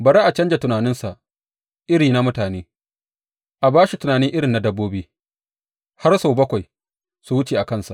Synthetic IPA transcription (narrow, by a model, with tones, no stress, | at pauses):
bɐ˨ɾeː˦ʔa˨t͡ʃɐ˦nd͡ʒe˨tʊ˨naː˨nɪ˦nsa˨ʔ | ʔɪ˦ɾiː˨na˦mʊ˦taː˨neː˦ | ʔa˨baː˦ʃi˨tʊ˨naː˨nɪ˦ŋʔɪ˦ɾɪ˨nːa˨dɐ˦bːoː˦biː˦ | ha˦rsa˨wbɐ˦kʷa˨j | su˨wʊ˦t͡ʃeː˨ʔa˨kɐ˦nsa̰˨ʔ